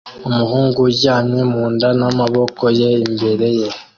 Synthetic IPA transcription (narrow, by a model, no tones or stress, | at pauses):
omuhuːŋɡuɟanemuːndanamaβo̞kojeimbe̞ɾe̞je